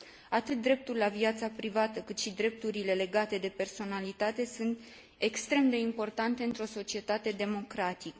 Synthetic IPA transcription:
at̪ɨt̪̚d̪ɾe̞p̚t̪ulʲaviat̪sapɾivat̪əkɨt̪ʃid̪ɾe̞p̚t̪uɾile̞le̞ɡat̪e̞d̪e̞pe̞rso̞nalit̪at̪e̞sunt̪ | e̞kst̪ɾe̞md̪e̞impo̞rt̪ant̪e̞ɨnt̪ɾo̞so̞t͡ʃie̞t̪at̪e̞d̪e̞mo̞kɾat̪ikə

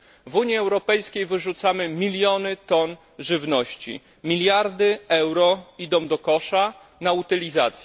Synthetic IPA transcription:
vuɲjiɛwɾɔpɛjskʲejvɘʐut̪samɘmʲilʲjɔnɘt̪ɔn | ʐɘvnɔɕt͡ɕḭ | mʲilʲjaɾd̪ɘɛwɾɔid̪ɔ̃w̃d̪ɔkɔʂa | naut̪ɘlʲiza̰t̪sʲ

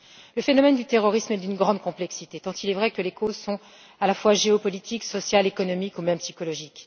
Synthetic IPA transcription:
ləfenɔmɛnd̪yt̪eʁɔʁismɛd̪ynɡʁɑ̃d̪̚kɔ̃plɛksit̪et̪ɑ̃t̪ilɛvʁɛkəlekozsɔ̃ | alafwaʒeɔpɔlit̪ʰiksɔsjalekɔnɔmikumɛmpsikɔlɔʒik

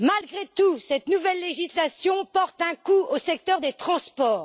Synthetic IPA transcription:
malɡʁet̪usɛt̪nuvɛlːeʒislasjɔ̃pɔʁt̪ɛ̃kuosɛk̚t̪œʁd̪et̪χɑ̃spɔːʁ

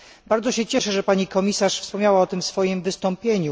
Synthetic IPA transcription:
baɾd̪zɔɕɛt͡ɕɛʂɛʐɛpaɲikɔmʲisaʂfspɔmɲawaɔt̪ɘmfsfɔjimvɘst̪ɔmpʲjeɲu

